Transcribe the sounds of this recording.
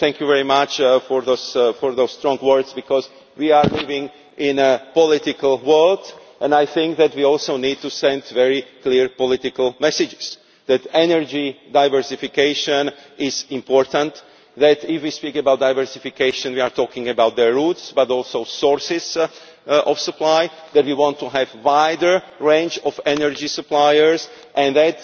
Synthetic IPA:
θɛ̃ŋkjuvɛɹimat͡ʃfɔɹðosfɔɹðost̪ɾɔ̃ŋɡwɜɹd̪sbikɔz | wiaɹlivɪ̃ŋ | ɪ̃nəpɔlɪt̪ɪkalwɜld | ʔɛ̃najθɪ̃ŋk̚ðæt̪wiɔlˠsownid̪̚t̪usɛ̃nd̪vɛɹikliɹpɔlɪt̪ɪkalˠmɛsɪd͡ʒɪs | ðɛt̪ɛnɛɹd͡ʒidajvəɹsifikeɪʃə̃nɪzɪ̃mpɔɹt̪ə̃nt̪ | ðætɪfwispikəbawt̚dajvəɹsɪfikeɪʃə̃nwiaɹt̪ʰɔːkɪ̃ŋəbawt̪̚ðəɹutsbatɔlˠsoʊsɔɹsɪz | ɔfsəplaj | ðɛtwiwɔ̃ntːuɦɛvwajdə˞ | ɹẽnd͡ʒɔvɛnəɹd͡ʒisəplajəɹs | ʔɛ̃nðæt

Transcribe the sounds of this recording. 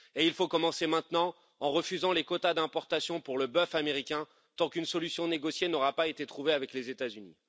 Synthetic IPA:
eilfokɔmɑ̃semɛ̃t̪nɑ̃ | ɑ̃ʁəfyzɑ̃lekɔt̪ad̪ɛ̃pɔʁt̪asjɔ̃puʁləbœfameʁikʲɛ̃ | t̪ɑ̃kynsɔlysjɔ̃neɡɔsjenɔʁapaet̪et̪χuveavɛklezet̪azynḭ

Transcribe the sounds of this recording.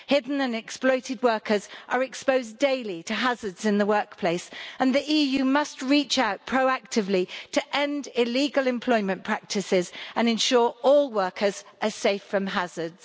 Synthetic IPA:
hɪdⁿn̩ə̃nɛksplɔɪtɪd̚wɜˑkʰəzʔəɹɛkspəʊzdeɪlitʰəɦazədz̥ɪ̃nðəwɜˑkpʰl̥eɪsə̃nðiʔiːjʉːmʌst̚ɹiˑt͡ʃaʊʔ̚pʰɹ̥əʊak̚tʰɪvlitʰəʔɛ̃ndɪliːɡəlˠɪ̃mpʰl̥ɔɪmə̃npʰɹ̥ak̚tʰɪsɪzə̃nɨ̃nʃɔːɹɔːlˠwɜˑkʰəzʔəseɪfɹə̃mɦazədz̥

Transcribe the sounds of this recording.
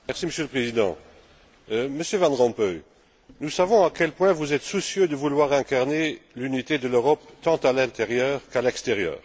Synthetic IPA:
mɛʁsiməsjøləpχezid̪ɑ̰̃ | məsjøvãnʁɑ̃pœj | nusavɔ̃akʲɛlpwɛ̃vuzɛt̪susjød̪əvulwaʁɛ̃kaʁnelynit̪ed̪əløʁɔp̚t̪ɑ̃t̪alɛ̃t̪eʁjœːʁkalɛkst̪eʁjœ̰ːʁ

